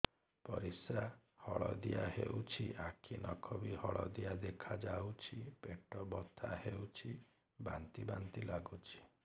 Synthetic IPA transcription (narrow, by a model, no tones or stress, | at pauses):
pɔɾisahɔɭɔd̪ijahḛut͡ʃʰiʔakʰinɔkʰɔbihɔɭɔd̪ijad̪ekʰad͡ʒawt͡ʃʰipeʈɔbɔt̪ʰahewt͡ʃʰi | ba̰nt̪ibant̪ilaɡut͡ʃʰi̥